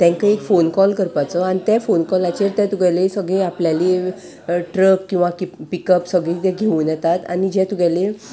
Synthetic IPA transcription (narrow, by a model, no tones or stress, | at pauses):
t̪ɛ̃ŋkəekfonkɔlkəɾpat͡səañit̪jafonkɔlat͡ɕeɾt̪jat̪uɡalesəɡɭẽapljali | ʈɾəkːĩw̃ʋakipikəpsəɡɭĩt̪eɡʱeuːnjɛt̪at̪a̰nid͡ʑɛ̃t̪uɡjale